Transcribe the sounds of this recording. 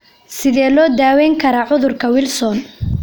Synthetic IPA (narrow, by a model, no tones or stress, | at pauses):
sɪðɛːlɔːd̪aːwɛːŋkʰɐɾɐʕʊðʊrkʰɐwɪlsɔn